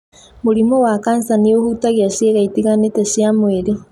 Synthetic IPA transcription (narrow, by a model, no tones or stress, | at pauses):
muɾimowakaːnsaniohutaɣiaʃjeɣaitiɣanetɛʃiamweɾe